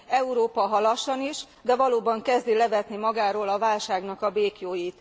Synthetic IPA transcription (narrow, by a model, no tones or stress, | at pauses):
ɛuɾoːpɒɦɒlɒʃɒniʃ | d̪ɛvɒloːbɒŋkɛzd̪ilɛvɛt̪nimɒɡaːɾoːlɒvaːlʃaːɡnɒkɒbeːkjoːjiːt̪